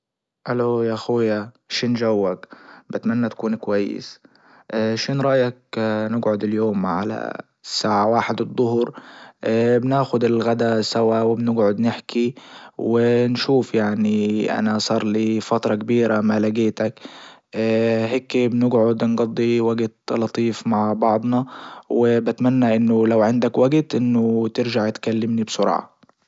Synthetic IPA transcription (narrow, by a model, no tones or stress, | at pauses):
ʔalojaʔxuːja | ʃinʒawːakbɪt̪manːat̪akuːnkwajːɪ̰s | ʃinɾˤɑʔjak̚nɪɡʕʊd̪ɪljoːmʕala̰ | sːaːʕawaːħɪd̪ɨd̪ˤːʊhɾ | bnaːxʊd̪ɪlɣad̪asawawɪbnɪɡʕʊd̪nɪħkʰiwɪnʃuːfjaʕniʔa̰nasˤɑːɾˤliːfat̪ɾˤɑkbiːɾamalaɡeːt̪akː | ɦeːkbnɪɡʕʊd̪nɡɑd̪ˤːiwaɡt̪lɑt̪ˤiːfmaʕbɑʕd̪ˤnɑwɪbat̪manːaʔɪnːʊlawʕɪnd̪akwaɡt̪ʔɪnːʊt̪ɪɾʒaʕt̪kalːɪmnibsʊɾˤɑ̰ːʕ